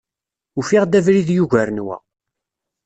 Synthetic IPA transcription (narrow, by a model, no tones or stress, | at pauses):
ufiʁd̪ævɾiðjuʝæɾənwæ̰